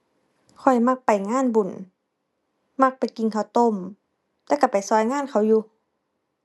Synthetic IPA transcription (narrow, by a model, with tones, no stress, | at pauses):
kʰɔ˨˩jma˧˥k̚pa˨jŋaː˧˥˨nbu˨˩˨n | ma˧˥k̚pa˨jki˨˩ŋkʰa˧˩wt̪o˧˥˨m | t̪ɛː˧˥˩ka˧˩pa˨jsɔː˧˩jŋaː˧˥˨nkʰa˨˩wjuː˧